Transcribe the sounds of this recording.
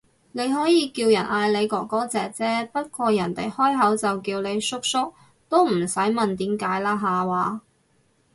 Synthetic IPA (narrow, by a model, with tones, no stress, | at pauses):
ne˨˧jɦɔː˨˥jiː˨˧kiː˧wjɐ˨˩naː˧jle˨˧jkɔː˨˧kːɔː˨˥t͡sɛː˨k̚t͡sɛː˥pɐ˥t̚kʷɔː˧jɐ˨˩nt̪e˨jhɔː˥jɦɐ˨˥wt͡sɐ˨wkiː˧wne˨˧jsʊ˥k̚sʊ˥k̚ | t̪o˥wm̩˨˩sɐ˨˥jmɐ˨nt̪iː˨˥mkaː˨˥jlaː˥ɦaː˨˧waː˨˧